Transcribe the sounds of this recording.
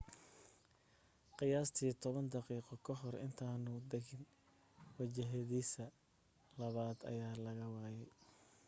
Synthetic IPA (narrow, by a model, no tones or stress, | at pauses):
qɪjaːst̪ʰiːt̪ʰɔβɐnd̪ɑqiːqɔkʰɐɦɔrɪ̰nt̪ʰaːnʊd̪ɛɣɪn | wɐt͡ʃɐɦɛðiːsɐ | lɐβaːd̪ɐ̰jaːlɐɣɐwaːjɛj